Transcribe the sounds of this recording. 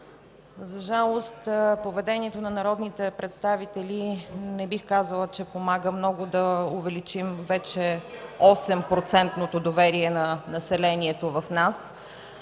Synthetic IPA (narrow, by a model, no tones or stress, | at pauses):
zɐʒalˠost̪povɛd̪ɛniɛt̪onɐnɐɾɔd̪nit̪ɛpɾɛt̪st̪avit̪ɛlinɛbixkazəlˠət͡ʃɛpomaɡəmnɔɡʊd̪ɐʊvɛlit͡ʃimvɛt͡ʃɛɔsɛmpɾot̪sɛnt̪not̪od̪ovɛɾiɛnɐnɐsɛlɛniɛt̪ovɐfnas